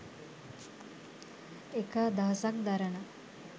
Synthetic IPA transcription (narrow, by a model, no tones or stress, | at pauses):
ekaːd̪aɦɐsakd̪aɾənə